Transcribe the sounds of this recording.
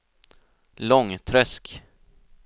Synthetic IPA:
lɔŋt̪ʰɾœsk

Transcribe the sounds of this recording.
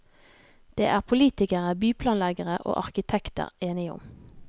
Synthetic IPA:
d̪̥eːʔæːʁpʰʊliːt̪ɪkəʁəbyːpʰlɑːnlæɡəʁəʔo̰ːʔɑʁkɪt̪ʰɛkt̪ə̰ʁeːnɪʊ̰m

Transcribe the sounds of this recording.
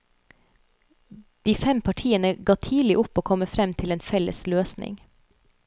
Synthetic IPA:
d̪̥iːfɛmpʰɑʈʰiːənəɡɑːt̪ʰiːlɪʔʊpːoːkʰɔməfɾɛmt̪ʰɪleːnfɛlə̰sløːsnɪ̰ŋ

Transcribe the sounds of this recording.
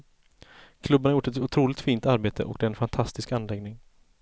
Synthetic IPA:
kʰlɵbːnɳaɾjʊʈːɛt̪ʊt̪ʰɾuːlɪt̪fiːnt̪aɾbeːt̪ʰə̰ʔɔ̰kd̪ɛːɾɛnfant̪ʰast̪ɪskanlɛɡnɪŋ

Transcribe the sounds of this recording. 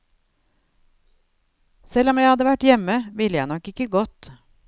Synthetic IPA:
sɛlɔmjæɪhɑd̪əʋæʈjɛməʋɪləjæɪnɔkɪkəɡɔt̪

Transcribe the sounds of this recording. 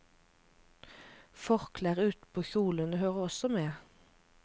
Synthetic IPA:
fɔʁkʰlæːʁʉːt̪pʰoːçuːlənəhøːʁəɔsɔmeː

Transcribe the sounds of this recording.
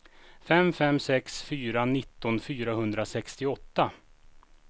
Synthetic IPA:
fɛmfɛmsɛksfyːɾanɪt̪ːɔnfyːɾaɦɵnd̪ɾasɛkst̪ɪɔt̪ːa

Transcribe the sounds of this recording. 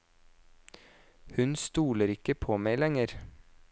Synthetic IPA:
hʉnst̪uːləɾɪkəpʰoːmeɪlɛŋəɾ

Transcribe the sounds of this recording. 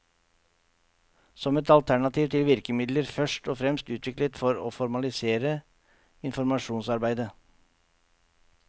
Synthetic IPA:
sɔmɛt̪ɑlt̪ʰæɳɑt̪ʰiːʋt̪ʰɪlʋɪɾkəmɪd̪ləɾfœʂʈoːfɾɛmst̪ʉːt̪ʰʋɪklət̪fɔɾo̰ːfɔɾmɑlɪseːɾə | ɪnfɔɾmɑʂuːnsɑɾbæɪd̪ə

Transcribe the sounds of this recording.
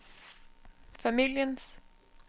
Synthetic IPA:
familjəns

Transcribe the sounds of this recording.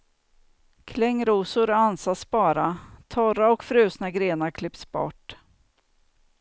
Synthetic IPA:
kʰlɛŋːɾuːsʊɾansasbɑːɾat̪ʰɔɾaɔkfɾʉ̟ːsnaɡɾeːnaɾkʰlɪpsbɔ̰ʈː

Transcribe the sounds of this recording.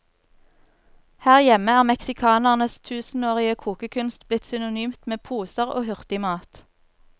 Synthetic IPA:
hæːʁjɛməæːʁmɛksɪkʰɑːnəʁnəst̪ʰʉːsn̩oːʁɪəkʰuːkəkʰʉnst̪blɪt̪sʏnʊnyːmt̪meːpʰuːsəʁo̰ːhʉʁt̪ɪmɑːt̪

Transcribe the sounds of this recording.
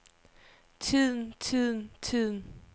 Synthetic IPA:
t͡sʰið̰ˠn̩t͡sʰið̰ˠn̩t͡sʰið̰ˠn̩

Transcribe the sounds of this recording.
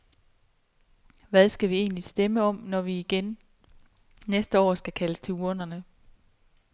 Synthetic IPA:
ʋæð̞ˠsɡ̥æʋie̝̰ːnlisd̥eməɒ̽m̰nɒʋiːɡ̥en | nesd̥əɒ̰ːsɡ̥ækʰæləst͡sʰe̝luɐnɐnə

